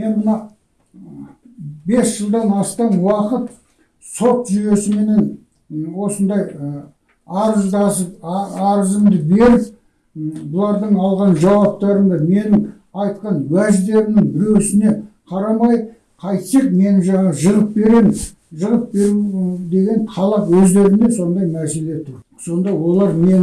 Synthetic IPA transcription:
me̞nmənɑ | be̞sʒəlˠd̪ɑnɑst̪ɑnwɑqət̪ | so̞t̪ʒyje̞sɪme̞ne̞n | wo̞sənd̪ɑj | ɑɾəzd̪zəɑɾəzəmd̪əbe̞ɾɪp̚ | bʊlˠɑɾd̪əɴɑlˠʁɑnʒɑwɑp̚t̪ɑɾəmd̪ɑme̞nɪŋ | ɑjt̪̚qɑnwæʒd̪e̞ɾɪnɪŋbɪɾe̞wsɪne̞qʰɑɾɑmɑjd̪ | qʰɑjt̪sek̚me̞nɪʒɑɴɑʁəʒəʁəp̚be̞ɾem | ʒəʁəp̚be̞ɾud̪e̞ɡʲe̞nqʰɑlˠɑqwɵzd̪e̞ɾɪnd̪e̞so̞nd̪ɑjmæse̞le̞t̪ʰʊɾ | so̞nd̪ɑwo̞lˠɑɾme̞n

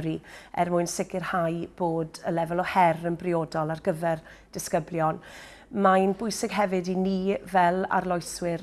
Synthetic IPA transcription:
ɾiɛ̰rmʊɨnsɪkɪrhajb̥oːdəlɛvɛlˠɔhɛrənbrɪoːdɔlˠarɡəvɛr | d̥ɪskəbljɔn | majnbʊjsɪɡ̥ɦɛvɪdiniːvɛlˠa̰rlˠɔjswɪr

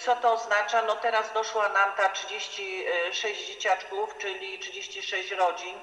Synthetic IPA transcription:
sɔt̪ɔːznat͡ʂanɔt̪ɛɾazd̪ɔʂwanamt̪atʂɘd͡ʑeɕt͡ɕiʂɛɕd͡ʑd͡ʑet͡ɕat͡ʂkuft͡ʂɘlʲitʂɘd͡ʑeɕt͡ɕiʂɛɕt͡ɕɾɔd͡ʑin

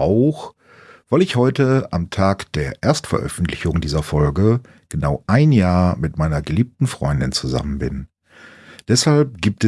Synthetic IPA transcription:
ʔaʊx | v̥aɪlɪçhɔʏtəa̰mtʰaːkd̥eːɐʔeːɐstfɛ̰ɐʔœ̰fn̩tʰlɪçʊŋdiːzɐfɔlɡə | ɡ̥ənaʊʔaɪnjaːɐmɪtmaɪnɐɡəliːp̚tn̩fʁ̥ɔ̰ʏndɪnt͡suza̰mənbɪn | d̥ɛshalp̚ɡ̥iːp̚tɛ

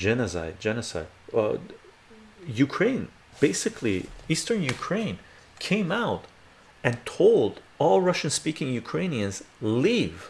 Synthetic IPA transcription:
d͡ʒɛnɨsa̰ɪd̚d͡ʒɛnɨsa̰ɪd̥̚ʌ | jʉkʰɹ̥ẽɪ̃n | b̥eɪsɨkʰliistə̃˞njʉkʰɹ̥ẽɪ̃n | kʰẽɪ̃maʊt | ɨ̃ntʰoʊlˠd | ɔlˠɹʌʃɨ̃nspikɪ̃ŋjʉkʰɹ̥ẽɪ̃niɨ̃nzliv̥

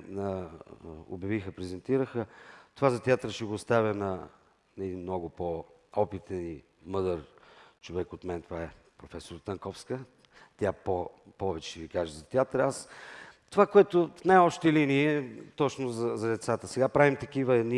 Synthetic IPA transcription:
nə | o̰bjɐvixəpɾɛzɛnt̪iɾəxət̪ovazɐt̪ʲat̪ɾʃɛɡoːst̪avʲənɐ | nɐɛd̪inmnɔɡʊpo | ɔpit̪əni | mɤd̪əɾt͡ʃovɛkot̪mɛnt̪ovaɛpɾofɛsoɾt̪ɐŋkɔfskə | t̪ʲjapopɔvɛt͡ʃɛvikaʒɛzɐt̪ʲɛat̪ɾast̪ovakoɛt̪ofnajɔpʃt̪əliniɛt̪ɔt͡ʃnʊzɐzɐd̪ɛt̪sat̪əsɛɡapɾavimt̪ɐk̟ivəɛd̪ni

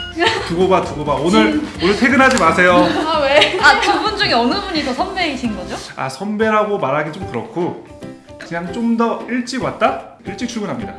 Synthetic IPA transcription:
tuɡobatuɡobaonɯɾonɯɭsʰe̞ɡɯnɦad͡ʑimasʰe̞joaweakɯbund͡ʑuŋeʌnɯbuɲisʰʌsʰʌmbeiɕʰinɡʌd͡ʑoa̰sʰʌmbe̞ɾɦaɡomaɾɦaɡint͡ɕ͈omkɯɾʌkʰo | kɯɲaŋt͡ɕ͈omdʌiɭt͡ɕ͈iɡwat̚t͈a | iɭt͡ɕ͈ik̚t͡ɕʰuɭɡunɦamɲida̰

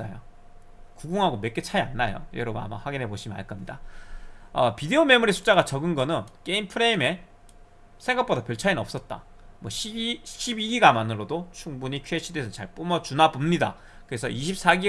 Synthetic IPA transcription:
ajo | kuɡuŋɦaɡomek͈et͡ɕʰaianːajo̰jʌɾʌbuna̰ma̰ɸwaɡinɦe̞boɕʰimia̰ɭk͈ʌmɲida̰ | ʌpide̞ome̞muɾisʰu̥t͡ɕ͈aɡat͡ɕʌɡɯnɡʌnɯnk͈e̞impʰɯɾe̞ime̞ | sʰe̞ŋɡakp͈odapjʌɭt͡ɕʰainnʌps͈ʌt̚t͈a̰ | mwʌɕʰiiɕʰibiɡiɡamanɯɾodot͡ɕʰuŋbuɲikʰɥeɕʰidesʰʌt͡ɕaɭp͈umʌt͡ɕunabumɲida̰ | kɯɾe̞sʰʌ̰iɕʰip̚s͈aɡi

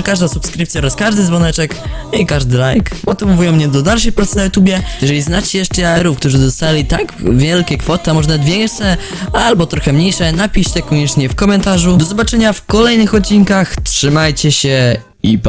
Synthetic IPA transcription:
kaʐd̪asupskɾɘɨp̚t̪sʲjaɔɾaskaʐd̪ɘzvɔnɛt͡ʂɛk̪ikaʐd̪ɘlajkmɔt̪ɨvɔvujɔ̃mɲɛd̪ɔd̪alʂɛjpɾat̪sɨnajut̪ubʲjɛjɛʐɛlʲiznat͡ɕɛjɛʂt͡ʂɛaɛɾufk̚t̪uʐɘd̪ɔst̪alʲit̪aɡvʲjɛlkʲɛkfɔt̪amɔʐnad̪vʲjɛŋkʂɛ | albɔt̪ɾɔxɛmɲejʂɛnapʲiɕt͡ɕɛkɔɲɛt͡ʂɲɛfkɔmɛnt̪aʐud̪ɔzɔbat͡ʂɛɲafkɔlɛjnɘxɔt̪̚t͡ɕːinkaxtʂɘmajt͡ɕɛɕɛ | ip

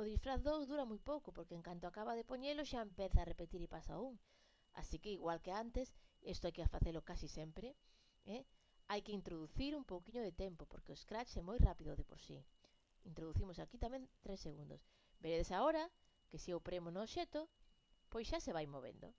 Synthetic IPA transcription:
oðisfɾaθðowzðuɾamujpowkopoɾkeːŋkant̪oakaβaðepoɲeloʃaempɛθaːrepet̪iɾipasa̰ouŋ | a̰sikeiɣwalkeant̪esest̪ʊajkefaθelʊkasisɛmpɾe | ɛ | ajkɪint̪ɾoðuθiɾumpowkiɲʊðet̪ɛmpopo̰ɾkeoeskɾat͡ʃɛmojrapiðoðepo̰ɾsḭ | int̪ɾoðuθimosakit̪amɛ̃nt̪ɾesːeɣund̪o̰s | beɾeðesaoɾɐ | kesiopɾemonoʃet̪o | pojsʃaseβajmoβḛnd̪o̰

